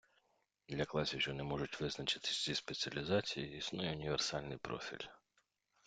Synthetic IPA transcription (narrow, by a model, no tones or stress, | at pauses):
d̪lʲɐklˠɑsʲiwʒɔnɛmɔʒʊtʲʋɪznɐt͡ʃɪ̥t̪ɪ̥sʲt͡sʲispet͡sʲiɐlʲizɑt͡sʲijiisnɔjɛʊnʲiʋersɑlʲnɪjpɾɔ̰fʲḭlʲ